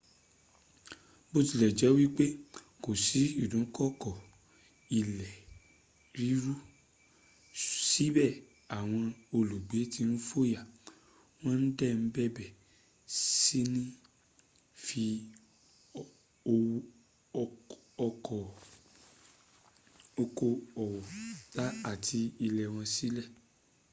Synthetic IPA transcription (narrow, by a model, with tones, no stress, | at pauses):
bo˦ti˧lɛ˨d͡ʒɛ˨˦wi˦k͡pe˦ | ko˨si˨˦i˦˨dũ˨˦kɔ˦˨kɔ˨ | i˨lɛ˨ | ɾi˨˦ɾu˦ | si˨˦bɛ˦˨ | a˨w̃ɔ̃˧o˧lu˨ɡ͡be˨˦ti˧n̩˦fo˦ja˦˨ | w̃ɔ̃˦n̩˦dɛ˦˨n̩˨˦bɛ˦˨bɛ˦˨ | si˦nĩ˦ | fi˧ | o˧w | ɔ˧kʰɔ˨ | o˧ko˦ɔ˨wɔ˨la˦a˨ti˧i˧lɛ˨w̃ɔ̃˧si˦lɛ˦˨